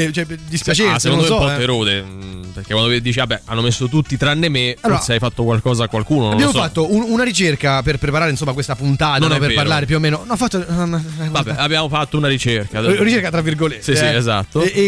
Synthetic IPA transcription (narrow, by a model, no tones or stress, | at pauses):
et͡ʃɛd̪ispjat͡ʃeseonomɛɔpɔfeɾoːze | perkekwand̪id̪iːt͡ʃiabːɛanːomesːot̪ut̪ːit̪ɾanːemealoːɾaseajfat̪ːokwalkɔːzakwalkuːnonbnbjaːmosfat̪ːoununaɾit͡ʃerkaperpɾepaɾaːɾeinsomːakwest̪apunt̪aːt̪nanɔpeɾpaɾlaːɾep̬juomːeːnonnɔfːat̪ːomavabːɛabːjaːmofat̪ːounaɾit͡ʃerkaɾit͡ʃeɾkat̪ɾavːirɡolet̪sisiezat̪ːo